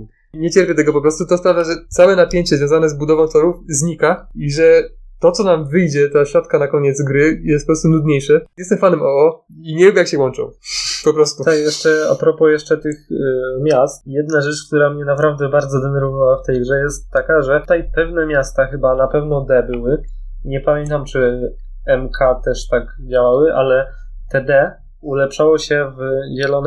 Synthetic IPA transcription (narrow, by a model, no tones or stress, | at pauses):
ɲɛt͡ɕɛɾpʲjɛt̪ɛɡɔpɔpɾɔst̪ut̪ɔspɾavʲjaʐɛt̪sawɛnapʲjeɲt͡ɕɛzvʲjɔ̃w̃zanɛzbud̪ɔvɔ̃w̃t̪ɔɾufzɲikaiʐɛt̪ɔt̪sɔnamvɘjd͡ʑɛt̪aɕɾɔt̪kanakɔɲɛd̪zɡɾɘjɛst̪pɔpɾɔst̪unud̪ɲejʂɛjɛst̪ɛmfanɛmʔɔɔ | iɲɛvʲjɛbjakɕɛwɔnt͡ʂɔ̰̃w̃pɔpɾɔst̪ut̪ajɛʂt͡ʂɛa̰pɾɔpɔjɛʂt͡ʂɛt̪ɘxmʲjast̪jɛd̪naʐɛt͡ʂk̚t̪uɾamɲɛnapɾavd̪ɛbaɾd̪zɔd̪ɛnɛɾvɔvawaft̪ɛjɡʐɛjɛst̪ːakaʐɛt̪ɛjpɛvnɛmʲjast̪axɘbanapɛvnɔd̪ɛbɘwɘ | ɲɛpamʲjɛnt̪amt͡ʂɘ | ɛmkʰat̪ɛʂt̪aɡ | d͡ʑawawɘʔalɛ | t̪ɛd̪ɛ | ulɛpʂawɔɕɛvʑɛlɔn